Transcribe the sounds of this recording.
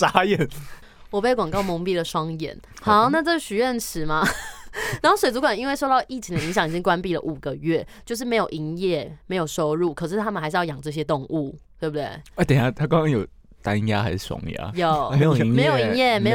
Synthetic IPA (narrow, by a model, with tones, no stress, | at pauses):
ʂa˧˥jɛ˥˨˩n | wɔ˨˩pe˥˩ɪkwa˨˩ŋkɑ˥˩ʊmɔ˧˥ŋpi˥˩də˨ʂwɑ˥ŋjɛ̰˨˦n | hɑ˨˩˦ʊna˥˧ʈ͡ʂɤ˥˩ɕy˨˩ɥɛ˥˩nt͡sʰɻ̩˨˦ma˦na˨˧˦xo˥˩ʊswe˨˩t͡su˧˥kwa˨˩ni˦˥nwe˥˩ɪʂo˥˧t̪ɑ˥˧ʊʔi˥˩t͡ɕʰi˧˥ŋd̪ə˨i˧˥ŋɕjɑ˨˩ŋi˨t͡ɕi˦ŋkwa˦˥npi˥˩lə̰˩ʔu˨˩ɡə˩ɥɛ˥˧˨t͡ɕjo˥˧ʊʂ̬ɻ̩˥˩me˧˥ɪjo˨˩i˧˥ŋjɛ˥˩me˧˥ɪjo˨˩ʊʂo˥ʊɻu˥˩kʰɤ˨˩ʂ̬ɻ̩˥˩t̪ʰa˦mə˨nxɪʂ̩ɻjɑ˥˩jɑ˨˩ŋʈ͡ʂɤ˥˩ɕ̬jɛ˥t̪o˥˧ŋu˥˩t̪we˥˩bu˩d̪wḛ˥˩ɪ˥˩t̪ɛ˨˩a˥t̪ʰa˥kɑ˥ŋkʰɑ˥˦ŋjo˨˩ʊ | t̪a˦nja˦xa˧ɪʂ̩˥˩swɑ̰˧˥ŋja̰˦˥jo˨˩e˧˦jo˨˧m˧˥ɪjo˨˩ʊi˧˦ŋjɛ˥˩me˧˥ɪj